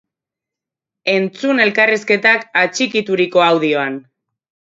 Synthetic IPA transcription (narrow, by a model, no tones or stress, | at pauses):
e̞nt͡sune̞lkariske̞t̪akat͡ʃikit̪uɾiko̞awðio̞an